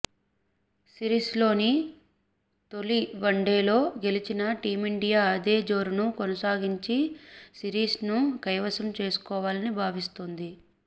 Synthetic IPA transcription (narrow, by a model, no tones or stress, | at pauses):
siɾiːslo̞ːni | t̪o̞liʋɐɳɖeːlo̞ːɡe̞lit͡ʃinɐʈiːmiɳɖijaːɐd̪e̞ːd͡ʒo̞ːɾunukɔnɐsaːɡiɲt͡ʃisiɾiːsnukɐjʋɐsɐmt͡ʃe̞ːsu̥kɔːʋaːlɐnibʱaːʋist̪ond̪i